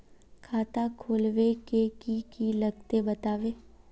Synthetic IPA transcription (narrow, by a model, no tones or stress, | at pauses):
kʰaːt̪akʰoːlʋekekikiləɡt̪ebət̪aːʋe